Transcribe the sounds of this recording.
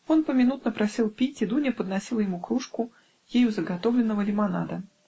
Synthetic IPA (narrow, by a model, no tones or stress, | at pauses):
o̞npəmʲɪnut̪nəpɾɐsʲilˠpʲitʲɪd̪unʲəpəd̪nɐsʲilˠəjɪmukɾuʂkʊ | jejuzəɡɐt̪ovlʲɪnːəvəlʲɪmɐnad̪ə